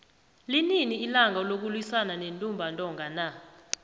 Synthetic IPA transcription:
lininiːlaŋɔlok̬ulwisananentʼumbʱantʼɔŋɡʱana

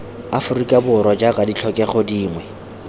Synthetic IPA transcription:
afʊrikʼabʊɾwad͡ʒakʼadit͡ɬʰɔkʼɛχɔdiːŋwɛ

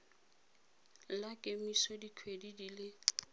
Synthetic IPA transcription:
lakʼemisɔdikʰwedidilɪ

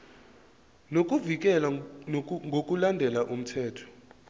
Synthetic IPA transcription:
nok̬ʼuvik̬ʼɛla | ŋɡʱok̬ʼulandʱɛlaʔum̩tʰɛːtʰɔ̥

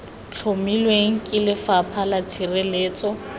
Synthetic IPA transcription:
t͡ɬʰomilweŋ̩kʼɪlɪfapʰalat͡sʰirɪleːt͡sʼɔ

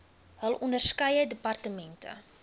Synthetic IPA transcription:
ɦəlˠʔɔndərskɐjədəpɐrtəmɛntə̰

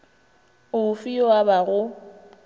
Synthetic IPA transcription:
ʊʊfiɔwabaɣʊ

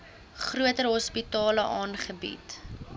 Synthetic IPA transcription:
χruətəɾɦɔspitɑːləʔɑːnχəbḭt

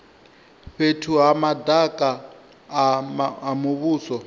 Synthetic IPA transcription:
ɸetʰuɦamadakʼa | muβuːsɔ

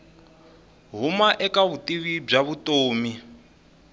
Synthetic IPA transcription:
ɦumaʔɛkaβutʼiβib͡ʐaβutʼoːmi

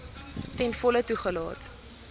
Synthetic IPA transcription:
tɛnfɔlətuχəlɑ̰ːt

